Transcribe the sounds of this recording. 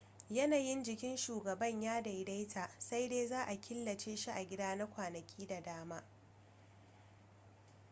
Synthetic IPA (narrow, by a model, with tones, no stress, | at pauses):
jɐ˦naː˨jɪ˦nd͡ʒɪ˨kʲɪ˦nʃuː˨ɡɐ˨bɐ˦˨ɲjaː˦da˨jda˦jtʰaː˨sa˦jdeː˦zaː˦ʔa˨kʲʰɪ˦lːɐ˨t͡ʃeː˦ʃi˦ʔa˨ɡʲɪ˦daː˦na˦kʷaː˨nɐ˨kʲʰiː˦da˨daː˦maː˦